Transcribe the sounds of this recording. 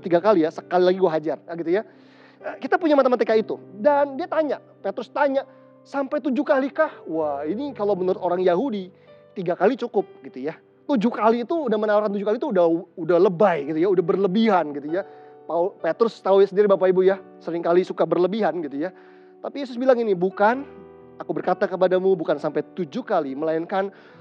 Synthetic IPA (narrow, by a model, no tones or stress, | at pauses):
t̪iɡakalijasə̥kalilaɡiɡuaɦad͡ʒarɡit̪uja | əːkit̪apuɲamat̪amat̪̬ekait̪udandiat̪aɲaʔpet̪ɾʊst̪aɲaʔ | sampajt̪ud͡ʒukalikahwahinikalowmənəɾʊt̪oɾaŋjaɦudi | t̪iɡakalit͡ʃukʊp̚ɡit̪uja | t̪ud͡ʒuhkaliːt̪uːdahmənawarkant̪ud͡ʒukalit̪uːdaudahləbajɡit̪ujaudahbərləbiɦanɡit̪uja | paupet̪ɾʊst̪auasəndiɾibapaibujasəɾɪŋkalisukabərləbiɦanɡit̪uja | t̪apijes̬ʊsbilaŋinibukan | akubərkat̪akəp̬adamubukansampajt̪ud͡ʒuhkaliməlaɪnkan